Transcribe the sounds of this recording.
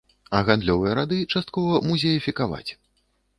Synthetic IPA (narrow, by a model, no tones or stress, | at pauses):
ɐɣand̪lʲɔvɨjɐɾad̪ɨt͡ʂast̪kɔvɐmuzʲɛjifʲikava̰t͡sʲ